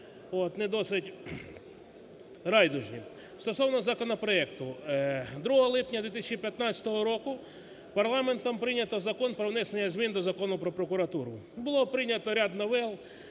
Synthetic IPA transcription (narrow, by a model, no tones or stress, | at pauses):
ot̪nɛd̪ɔsɪtʲ | ɾɑjd̪ʊʒnʲi | st̪ɔsɔwnɔzɐkɔnɔpɾɔɛkt̪ʊ | d̪ɾuɦɔɦɔlˠɪpnʲɐd̪ʋʲit̪isʲɐt͡ʃipʲjɐt̪nɑsʲɐ̥t̪ɔɦɔɾɔkʊ | pɐɾlˠɑment̪ɔmpɾɪnʲɐt̪ɔzɐkɔnpɾɔwnɛsenʲːɐzʲmʲind̪ɔzɐkɔnʊpɾɔpɾɔkʊɾɐt̪uɾʊbʊlˠɔpɾɪnʲɐt̪ɔɾʲad̪nɔʋɛlˠ